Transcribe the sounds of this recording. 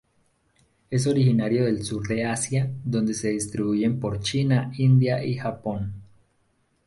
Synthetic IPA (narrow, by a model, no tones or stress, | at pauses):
e̞s̬o̞ɾixinaɾjo̞ðe̞lsuɾðe̞asjaðo̞nd̪e̞se̞ðist̪ɾiβuʝe̞mpo̞ɾt͡ʃinaind̪jaʔixapo̞n